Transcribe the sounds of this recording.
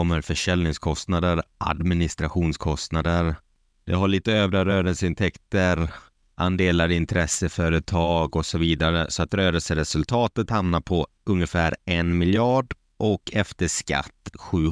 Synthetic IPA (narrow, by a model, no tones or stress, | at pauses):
ɔmːəɾfœʂɛlnɪŋskʰɔst̪nad̪əɾʔa̰d̪mɪnɪst̪ɾaɧuːnskʰɔst̪nad̪əɾ | d̪ɛɦaɭiːt̪əøːvɾaɾøːɾəlsəɪnt̪ʰɛkt̪əɾ | ʔand̪eːlaɾɪnt̪ʰɾɛsːəfœːɾət̪ʰɑːɡɔsɔviːd̪aɾəsɔat̪ɾøːɾəlsəɾɛsɵlt̪ʰɑːt̪ət̪hamnaɾpʰɔ | ɵŋjəfæːɾɛnmɪljɑːɖ | ʔɔkʰɛft̪əʂka̰t̪ːɧʉ̟ː